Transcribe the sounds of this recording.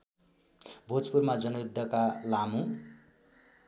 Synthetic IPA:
bʱot͡spurmad͡zʌnud̪ʱːʌkalamũ

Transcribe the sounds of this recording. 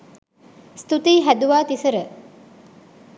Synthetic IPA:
st̪ut̪iːɦæd̪uʋaːt̪isəɾə

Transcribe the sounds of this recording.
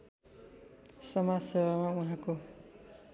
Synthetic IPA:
sʌmasʌbamauɦãko

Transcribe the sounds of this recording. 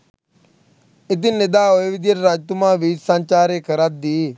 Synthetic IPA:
ɪt̪̬inːɪd̪aːoeʋɪd̪jəɾɾaːd͡ʒt̪umãːʋiːd͡ʒsãnt͡ʃaːɾekʰəɾat̪̚d̪iː

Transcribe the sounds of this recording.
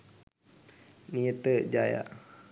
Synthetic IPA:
niət̪əʔd͡ʒaja̰ʔ

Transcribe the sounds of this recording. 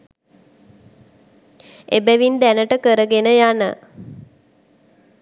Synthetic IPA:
ebæʋind̪ænəʈəkəɾəɡenəjanə̰

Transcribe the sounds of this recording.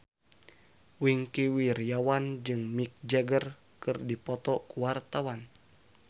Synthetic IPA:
wiŋkiwirjawand͡ʒɨŋmik̚d͡ʒɛɡər | kɨrdipɔt̪ɔkuwart̪awan

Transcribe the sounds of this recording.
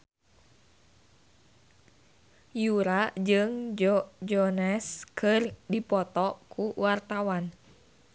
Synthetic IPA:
juɾad͡ʒɨŋd͡ʒɔnɛskʰɨrdipɔt̪ɔkuwart̪awan

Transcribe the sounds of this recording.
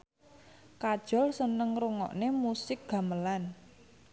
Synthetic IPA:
kad̥ʒ̥ɔ̤lsənəŋrɾuŋɔ̰ʔnemusɪk̚ɡ̥a̤məlan

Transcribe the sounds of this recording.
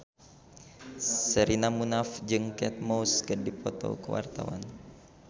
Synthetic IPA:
səɾʔinamunafd͡ʒəŋkɛt̪̚mowskərdipɔt̪o̰kəwa̰rt̪awa̰n

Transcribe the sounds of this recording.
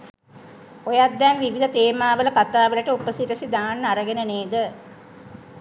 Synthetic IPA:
ojad̪ːɛnʋiʋid̪ət̪eːmaːʋələkat̪aːʋələʈəupəsiʈəsid̪aːnːaɾəɡenəneːd̪ə

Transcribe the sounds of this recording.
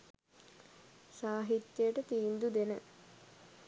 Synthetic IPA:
saːɦit̪jəjʈət̪iːnd̪ud̪enə

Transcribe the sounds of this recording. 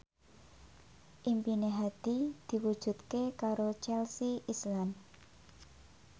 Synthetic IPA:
ʔimpineɦad̪̥id̪̥i̤wud̥ʒ̥ṳt̪̚kekaɾot͡ʃɛlsiʔislan

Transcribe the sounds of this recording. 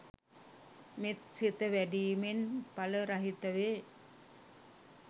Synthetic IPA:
met̪sit̪ːɐʋæɖijmenpɐlɐɾɐɦɪt̪ːɐʋe

